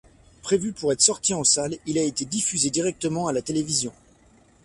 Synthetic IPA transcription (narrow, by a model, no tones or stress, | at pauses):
pχevypuʁɛt̪χsɔʁt̪iɑ̃salilaet̪ed̪ifyzed̪iʁɛk̚t̪əmɑ̃alat̪elevizjɔ̃